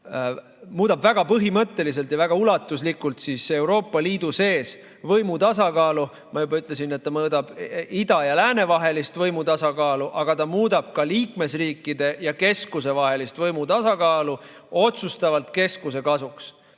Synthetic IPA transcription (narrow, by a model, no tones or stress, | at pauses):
muːd̪̥ɑbvæɡ̥ɑpɤɦimɤt̪ːe̞lis̬e̞lt̪jɑvæɡ̥ɑulɑt̪ːˑuslikːˑult̪siːse̞wɾo̞ːpːˑɑliːd̪̥use̞ːs | vɤjmut̪ɑsɑkɑːlu | mɑjubɑyt̪ːˑle̞s̬inet̪ːɑmɤːd̪ɑb̥id̪̥ɑjɑlæːne̞vɑɦe̞list̪vɤjmut̪ɑsɑkɑːluʔɑɡ̥ɑt̪ɑmuːd̪̥ɑb̥̚kɑliːkme̞sriːkːˑid̪̥e̞jɑke̞skus̬e̞vɑɦe̞list̪vɤjmut̪ɑsɑkɑːlu | o̞t̪sust̪ɑvɑlt̪ke̞skuse̞kɑsuks